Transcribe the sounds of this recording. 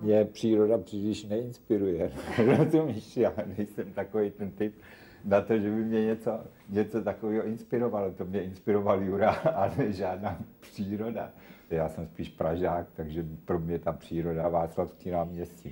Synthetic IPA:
mɲɛpr̝̥iːɾo̞dapr̥iːlɪʃnɛɪnspɪɾujɛɾozumiʃjanɛjsɛmt̪ako̞vejt̪ɛnt̪ɪp | nat̪o̞ʒɛbɪmɲɛɲɛt͡so̞ | ɲɛt͡so̞t̪akoviːɦoʔɪnspɪɾo̞valot̪omɲɛɪnspɪɾo̞valjuɾaalɛʒaːdnaːpr̥iːɾo̞da̰ | jaːsɛmspiːʃpɾaʒaːk̚t̪aɡʒɛpɾo̞mɲɛt̪apr̝̥iːɾo̞davaːt͡slafskiːnaːmɲɛscɪ

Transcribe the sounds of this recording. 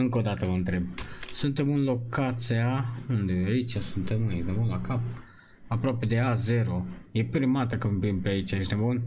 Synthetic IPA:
ɨŋko̞d̪at̪əvəɨnt̪ɾe̞bsunt̪e̞mɨnlo̞kat̪siaund̪eait͡ʃʲasunt̪e̞mned̪emunlakap̚ | apɾoape̞d̪eazeɾo̞je̞pɾimat̪əkəmpimpeait͡ʃaeʃt̪ebun

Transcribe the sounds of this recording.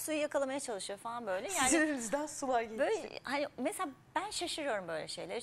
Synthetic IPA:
sujɯjakalˠamajat͡ʃʰalˠɯʃɯjofalˠanbø̞jlʲɛjaːniɾemizd̪ænsulˠaɾɟebø̰hanimeselʲaːb̥ænʃaʃɯɾɯjo̞ɾumbø̞jlʲɛ̰ʃejlʲæɾ

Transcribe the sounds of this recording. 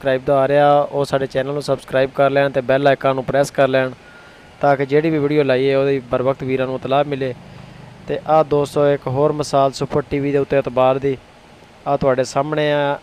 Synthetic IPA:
kɾaːiːbd̪aːaːɾeːaːoːsaːɖeːt͡ʃɛːnəlnũːsəbskɾaːiːb̚kəɾlɛːɳt̪eːbɛːlaːɪkãːnũːpɾɛːskəɾlɛːɳ | t̪ãːkɪd͡ʒeːɽiːbiːʋiːɖijoːlaːiːeːoːd̪iːbəɾbək̚t̪ʋiːɾãːnũːt̪əlaːbmɪleːt̪eːʔaːd̪oːsɔːɪkɦoːɾməsaːlsʊpəʈiːʋiːd̪eːʊt̪ːeːət̪baːɾd̪iː | aːt̪ʊaːɖeːsaːmɳeːaː

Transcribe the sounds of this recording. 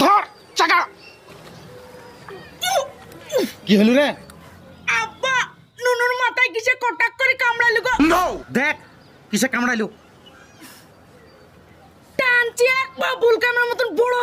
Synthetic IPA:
d̪ʱɔɾ | t͡ʃaɡa | kiɦolunɛ | abːa | nonuɾmat̪ajk̬isʰekɔʈakːoɾikamɽalukɔd̪od̪ek̚ | kisekamɽajlu | ʈant͡ʃiak̚babulkanaɾmɔt̪unbɔɽo

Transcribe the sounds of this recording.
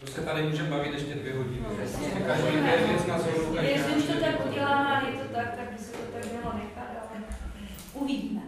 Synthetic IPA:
t̪osɛt̪adɪmuːʒɛmbavɪt̪jɛʃcɛdvjɛɦoɟɪnaɛsɛɛkaʒiaɛvɛsnasoɾojɛslɪuʃt̪ot̪akʔuɟɛlaːmɛajɛt̪ot̪ak̚t̪aɡ̚bɪsɛt̪ot̪aɡmɛlonɛkat̪alɛ | ʔuviɟiːmɛ

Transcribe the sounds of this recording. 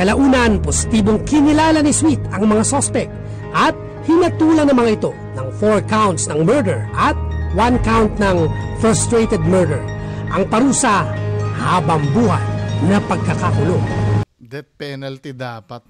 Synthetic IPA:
kɐlɐʔuːnɐnposɪ̥t̪iːboŋkɪnɪlaːlɐnɪswit̪ɐŋmɐŋasospɛk̪̚ | ʔɐt̪̚ | hɪnɐt̪uːlɐnɐmɐŋaɪt̪o̞ | nɐŋfoɹkawnt̪snɐŋmɛɹd̪ɛɹʔɐt̪̚wankawnt̪nɐŋfɹɐst̪ɹɛt̪ɛd̪̚mɛɹd̪ɛɹʔɐŋpɐɾuːsɐhaːbɐŋbuːhat̪̚nɐpɐɡ̚kɐkakʊloŋd̪ɛt̪̚pɛnɐlt̪id̪apɐt̪̚

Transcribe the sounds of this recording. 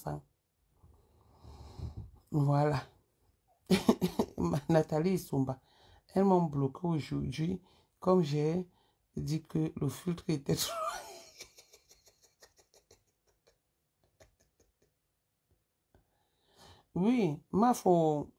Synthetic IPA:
sa̰ŋ | wwala | manatalisomba | ɛlmɔmblokʰeoʒud͡ʒwi | kɔmʒɛ | dikəlofiltɾetɛtla | wimafo

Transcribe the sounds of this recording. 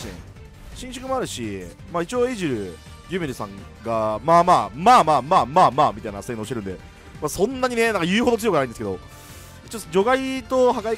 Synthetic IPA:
ḛ | ɕĩɕɨ̥kɯmo̞aɾɯ̟ɕi | maːit͡ɕio̞ːeʑiɾɯ̟ | d͡ʑɯːmʲiɾisãŋ | ɡamaːmaːmaːmaːmaːmaːmaːmʲit̪ainasenoɕiteɾɯ̟nd̪e̞ | maːsõ̞nːaɲine̞nãŋkajɯːɦo̞d̪ot͡sɨjokɯnaĩd̪esɨkeo̞̰ | it͡ɕiod͡ʑo̞ɡait̪o̞hakai

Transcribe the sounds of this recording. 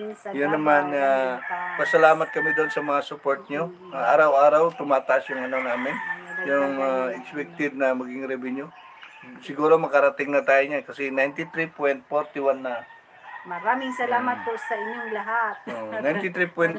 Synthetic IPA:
jʊnːɐmanapɐsɐlaːmɐt̪̚kɐmid̪oonsɐmɐŋasʊpoɹt̪̚ɲo̞ | ʔaʔaːɾawʔaːɾɐwt̪ʊmaːt̪ɐʔasjʊŋɐnonaːmɪnjʊŋaʔɛɡspɛk̚t̪ɪd̪̚nɐmɐɡɪŋɾɛbɪɲo | sɪɡuːɾo̞mɐkɐɾɐt̪ɪŋnɐt̪aːjoɲakɐsinajnt̪ɪt̪ɾipwɛjnt̪̚foɾt̪ɪwanːɐ | mɐɾaːmɪŋsɐlaːmɐt̪̚posɐʔɪɲoŋlɐɦat̪̚oʔnajnt̪ɪt̪ɾipwɛn

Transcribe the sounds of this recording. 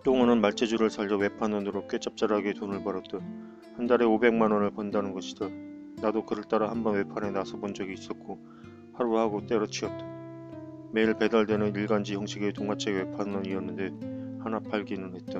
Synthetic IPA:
t͈oŋɯnɯnmaɭt͡ɕ͈ʰed͡ʑuɾɯɭsʰaʎːʌwe̞pʰanʌnɯɾok͈wet͡ɕ͈ʌp̚t͡ɕ͈aɾɦaɡetonɯɭpaɾʌt̚t͈a | handaɾe̞obe̞ŋmanʌnɯɭpondanɯnɡʌɕʰid̥a | nadokɯɾɯɭt͈aɾahambʌnwe̞pʰane̞nasʰʌbond͡ʑʌɡiːs͈ʌt̚k͈o | haɾuhaɡot͈e̞ɾʌt͡ɕʰiʌt̚t͈a | me̞iɭpe̞daɭdwe̞nɯniɭɡand͡ʑiçjʌŋɕʰiɡetoŋmat͡ɕʰeɡwe̞pʰanʌɲiʌnːɯnde̞hanapaɭɡinɯnɦe̞t̚t͈a

